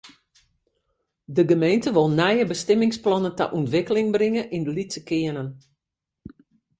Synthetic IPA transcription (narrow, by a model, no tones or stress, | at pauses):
dəɡəmejntəʋɔlˠnɛjəbəstɛmɪŋsplɔnənta̰ʔuntʋɪkəlɪŋbrɪŋəʔindəlitsəkɪənən